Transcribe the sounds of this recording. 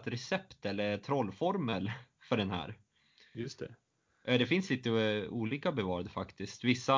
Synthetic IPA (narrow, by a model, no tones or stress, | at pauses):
t̪ɾɛsɛpt̪ɛlːəɾt̪ʰɾɔlːfɔɾməlfœɖɛnɦæ̰ːɾ | jɵst̪ʰɛ̰ | ʔɛd̪ɛfɪnsliːt̪əuːliːkabɛvɑːɾad̪əfakt̪ɪskt̪vɪsːa